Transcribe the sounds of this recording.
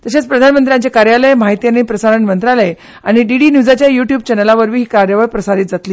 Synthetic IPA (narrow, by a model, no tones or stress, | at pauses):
t̪əɕet͡spɾəd̪ʱanmənt̪ɾjãɲt͡ɕakaɾjaləjmaɦit̪ijanipɾəsaɾəɳmənt̪ɾaləj | aɽ̃iɖiɽinjud͡zat͡ɕjajuʈjuːb̚t͡ɕɛnəlaʋəɾʋiːɦiːkaɾjəʋajpɾəsaɾiːt̪d͡zat̪liː